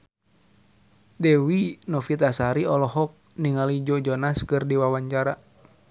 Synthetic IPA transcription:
dɛwinɔfit̪asaɾiɔlɔɦɔk̚niŋalid͡ʒɔd͡ʒɔnaskɨrdiwawaɲt͡ʃaɾa

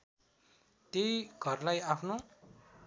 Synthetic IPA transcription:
t̪jojɡʱʌrlajapʰno

